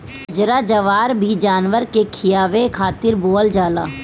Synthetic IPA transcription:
d͡ʒɾad͡ʒəʋaːɾbʱid͡ʒaːnʋəɾkekʰɪjaːʋekʰaːt̪ɪɾboːəld͡ʒaːla̰ː

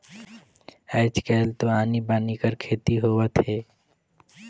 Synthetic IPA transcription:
ɛːt͡ʃkɛːlt̪oaːnibaːnikəɾkʰeːt̪iɦoːʋət̪ɦeː

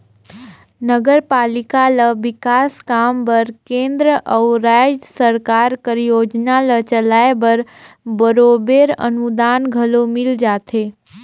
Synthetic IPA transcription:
nəɡəɾpaːlɪkaləʋɪkaːskaːmbəɾkẽːnd̪ɾəʔəwɾad͡ʒsəɾkaːɾkəɾjoːd͡ʒnalət͡ʃəlaːebəɾbəɾobeɾə̰nud̪aːnɡʱəlomɪld͡ʒaːt̪ʰeː

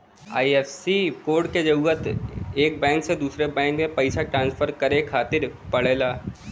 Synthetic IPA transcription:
a̰ːiɛːfsikoːɾɖked͡ʒɐuːət̪eːk̚bɛ̃ːŋksed̪uːsɾebɛ̃ːŋkmẽpɐɪsaʈɾãːnspʰəɾkɐɾekʰaːt̪ɪɾpɐɭeːlaː

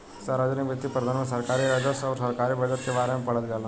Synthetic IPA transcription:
saːɾaːd͡ʒənikʋɐt̪ipɾəɐd̪ʱaːnmẽsɐɾkaːɾiɾaːd͡ʒəsɔːɾsɐɾkaːɾibɐd͡ʒəʈ̪kebaːɾemẽpɐɽət̪d͡ʒaːlə

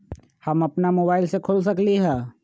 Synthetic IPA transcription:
həmɐpnamoːbaːɪlsekʰolsəkliɦɛ̃ː

